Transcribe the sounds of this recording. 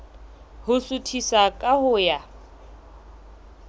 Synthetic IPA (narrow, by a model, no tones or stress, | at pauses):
hʊsutʰisakʼahʊːja